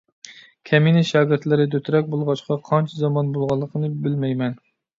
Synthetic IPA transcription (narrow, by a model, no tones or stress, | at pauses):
kʲʰɛminɪʃɑːɡʲɪɾt̪lɪɾɪd̪øt̪ʰɾɛk̚ʲbolˠʁɑʃqʰɑqʰɑnt͡ʃʰɛzɑmɑnbolˠʁɑlˠːəqʰənɨbɪlmɛjmɛn